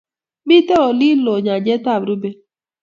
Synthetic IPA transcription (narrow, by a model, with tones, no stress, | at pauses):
mi˦tɛ˦ɔ˨li˦lo˨ɲa˨d͡ʒɛ˦ta˦˨bɾu˦be˦